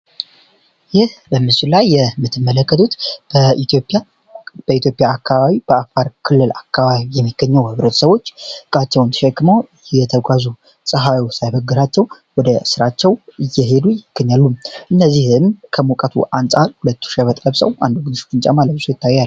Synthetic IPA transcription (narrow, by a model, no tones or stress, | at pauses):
jɪhbəmɨsulajːɛmɨt̪ʰːɨmːələkːət̪ʰut̪ | opʼ | b̥əit̪jo̞pʼjaːkʰːaβaβib̥əafaɾkʰɨlːɨlakʰːaβaβijɛmːiɡ̥əɲːɛwhɨβɾət̪ʰu̥səwo̞t͡ʃːɨkʼat͡ʃːɛwnt̪ʰə̥ʃɛkːɨməwjɛt̪ʰəɡʷazu | sʼɨɦawiwsajbəɡːɨɾat͡ʃːɛw | wɔd̪əsɨɾat͡ʃːɛwɨjːɛɦe̞d̪ujɪɡ̥ːəɲːalːumʔɨnːəzːihɨmkʰəmukʼət̪ʰṵʔansʼaɾhulət̪ːu̥ʃɛβət̪ʼləβsəwʔa̰nd̪uɡɨnɨʃo̥t͡ʃɨnt͡ʃʼamalət̪̚sojɪt̪ʰːajːal